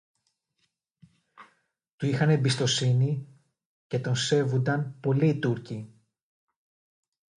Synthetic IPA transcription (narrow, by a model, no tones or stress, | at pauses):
t̪uixɐne̞mbist̪o̞sini | ce̞t̪o̞nse̞vund̪ɐnpo̞liːt̪uɾci